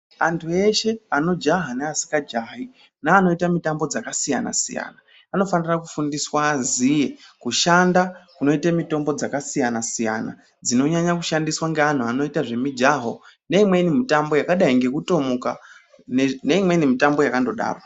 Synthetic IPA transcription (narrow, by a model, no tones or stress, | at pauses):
antʰue̞ʃe̞ano̞d͡ʒaɦaneasi̥kad͡ʒaɦi | naːno̞itamitambo̞d͡zakasija̰na̰sḭja̰naː | no̞fanirakufundiswazije̞kuʃandakuno̞itamito̞mbo̞d͡zakasijanasija̰na̰ | d͡zino̞ɲaɲakuʃandiswaŋɡean̤uano̞itaʐe̞mid͡ʒaɦo̞ne̞imwe̞inimitambo̞jakaɗaiŋɡe̞kuto̞muka | nene̞imwe̞inimitambo̞jakando̞ɗa̰ːra